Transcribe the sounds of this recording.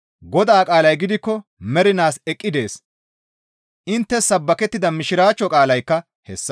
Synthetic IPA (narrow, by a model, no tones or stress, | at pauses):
ɡɔd̪aːkʼaːlɐjɡɪd̪ɪkːɔmɛɾɪnaːsɛkʼːɪd̪e̞ːs | ʔɪnt̪ːɛsɐbːɐkɛt̪ːɪd̪ɐmɪʃɪɾaːt͡ʃːɔkʼaːlɐjkːɐ | hɛsːɐ